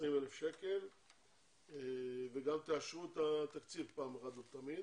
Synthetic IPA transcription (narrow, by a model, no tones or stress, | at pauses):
sʁimelefʃeke̞l | eveɡamt̪eaʃʁuet̪at̪akt͡sivpaːmʁad̪ot̪amid̪